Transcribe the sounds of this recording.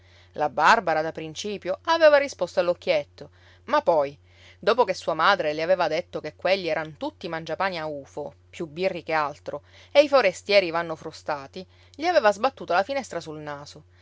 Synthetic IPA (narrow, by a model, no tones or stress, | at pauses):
labarbaɾad̪apɾint͡ʃiːpjoaveːvarispost̪oalːokːjet̪ːo | mapːɔj | d̪oːpokesːuːamaːd̪ɾeleaveːvad̪et̪ːokekːweʎːiɛːɾant̪ut̪ːimand͡ʒapaːniauːfo | pjubːirːikealt̪ɾo | eifoɾest̪jɛːɾivanːofɾust̪aːt̪i | ʎiaveːvazbat̪ːuːt̪alafinɛst̪ɾasulnaːso